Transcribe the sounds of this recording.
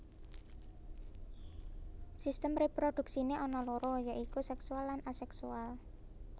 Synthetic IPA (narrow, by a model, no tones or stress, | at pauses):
sist̪əmrepɾod̪̥ṳksineʔɔnɔlɔɾɔjaʔikusɛksualːanasɛksual